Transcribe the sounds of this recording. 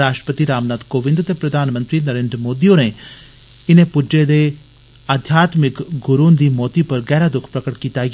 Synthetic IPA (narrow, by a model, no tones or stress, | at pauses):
ɾaːʃʈɾə̥pət̪iɾaːmnaːt̪koːʋɪ̃nd̪t̪epɾɐd̪ʱaːnmə̃nt̪ɾinɐɾeːnd̪ɾmoːd̪ijone | ɪnẽpʊd͡ʒed̪e | aːd̪ʱjaːt̪mɪkɡʊɾuːnd̪imɔːt̪ipɐɾɡɛːɾad̪ʊkʰpɾɐkəʈkiːt̪aːj